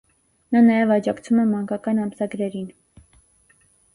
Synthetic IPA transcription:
nɑnɑjɛvɑd͡ʒɑkt͡sʰumɛmɑŋɡɑkɑnɑmsɑɡɾɛɾin

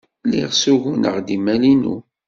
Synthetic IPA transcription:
liʁsuʝunə̰ʁd̪imælinṵ

